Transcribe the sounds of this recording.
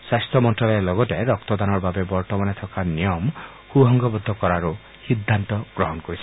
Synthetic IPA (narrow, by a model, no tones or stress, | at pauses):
sast̪ʰɔmɔnʈɔlɔlɔɡɔʈeɾɔk̚t̪ɔd̪anɔɾbabebɔɾʈɔmanet̪ʰɔkanijɔm | huɦɔŋɡɔbɔd̪ʱːɔkɔɾaɾu | hid̪ʱːant̪ɔɡ̥ɾɔɦɔnɔkɔɾit͡ʃʰɔ